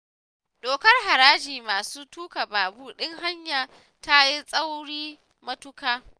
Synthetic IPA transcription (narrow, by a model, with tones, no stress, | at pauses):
ɗoː˨kɐ˦rɦa˨ɾaː˦d͡ʒiː˨maː˨suː˦tuː˦ka˨baː˨buː˦˨ɗɪ˦ŋɦa˦ɲjaː˨ | ta˦ji˦sʼɐ˦wɽiː˦ | mɐ˦tʊ˦kaː˦